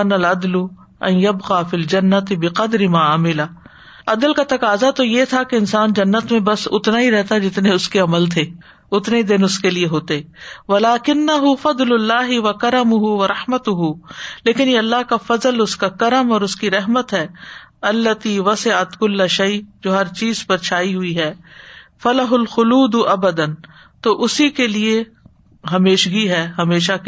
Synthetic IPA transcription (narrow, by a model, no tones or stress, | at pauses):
nɐlɐd̪lʊ | ɐ̰̃njɐbqaːfiːld͡ʒɐnːɐt̪ɪbɪqɐd̪ɾɪmaːaːmɪla | ɐd̪əlkat̪ɐkaːzat̪ojet̪ʰakeɪnsaːnd͡ʒɐnːət̪mẽbɐsʊ̰t̪naɦiɾɛɦt̪ad͡ʒɪt̪neʊskeɐməlt̪ʰeː | ʊt̪ned̪ɪnʊskelieɦoːt̪eɛʋɐlaːkɪnːɐɦʊfɐd̪lʊlːaːɦɪʋɐkɐɾəmʊɦuʋɐɾɐhmɐt̪ʊɦuleːkɪnjeɐlːaɦkafɐzəlʊskakɐɾəmɔːɾʊskiɾɛɦmət̪ɦɛːɐlːɐt̪iʋɐsɪʕət̪kʊlːaʃɐɪd͡ʒoːɦɐɾt͡ʃiːzpɐɾt͡ʃʰaːiɦʊiɦɛːfɐlɐɦʊlxʊluːd̪ʊʔɐbəd̪ən | t̪oːʔʊsikelie | ɦɐmeːʃɡiɦɛːɦɐmeːʃa